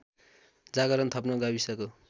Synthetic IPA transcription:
d͡zaɡʌɾʌnt̪ʰʌpnoɡabisʌko

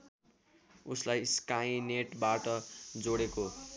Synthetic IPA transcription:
uslajskaj̃neʈbaʈʌd͡zoɽeko

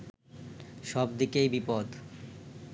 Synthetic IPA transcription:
ʃɔbd̪ikejbipod̪

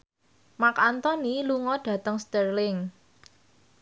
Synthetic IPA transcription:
makant̪ɔniluŋɔɖ̥ä̤t̪əŋst̪ərlɪŋ

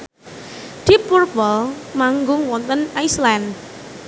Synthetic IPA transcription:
d̪̥ipurbɔlmaŋɡʊŋwɔnt̪ənajsland̪̚

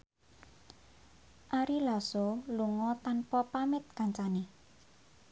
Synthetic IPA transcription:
ʔaɾilasoluŋɔt̪anpɔpamɪt̪̚kaɲt͡ʃane

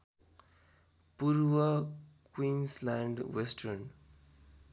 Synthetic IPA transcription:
puɾwʌkkwinslaɳɖwesʈʰʌɾn

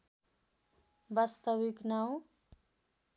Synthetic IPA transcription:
bast̪ʌbiknaw̃

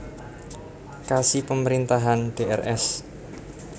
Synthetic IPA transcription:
kasipəməɾint̪aɦanɖ̥eɛ̰rʔɛs

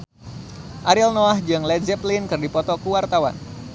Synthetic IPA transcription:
ʔaɾilnoahd͡ʒɨŋlɛd͡ʒɛplinkɨrdipɔt̪ɔkuwart̪awa̰n

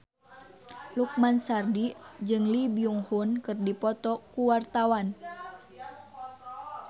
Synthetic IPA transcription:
luk̚mansardid͡ʒɨŋlibjuŋhunkɨrdipɔt̪ɔkuwart̪awan

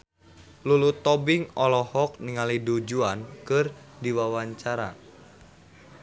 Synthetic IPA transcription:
lulut̪ɔbiŋɔlɔhɔk̚niŋalidud͡ʒuankɨrdiwawaɲt͡ʃaɾa̰

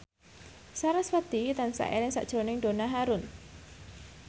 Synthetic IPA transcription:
saɾaswəd̪it̪ansa̰ʔḛlɪŋsa̰ʔdʒ̥ɾonɪŋɖ̪o̤naɦaɾʊn

